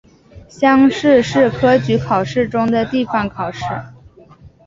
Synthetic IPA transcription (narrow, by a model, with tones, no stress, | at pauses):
ɕjɑ˥ŋʂɻ̩˥˧ʂɻ̩˥˩kʰɤ˥t͡ɕy˧˥kʰɑ˨˩ʊʂɻ̩˥˩ʈ͡ʂʊ˥ŋd̪ə˨t̪i˥˩fɑ˩ŋkʰɑ˨˩ʊʂɻ̩˥˩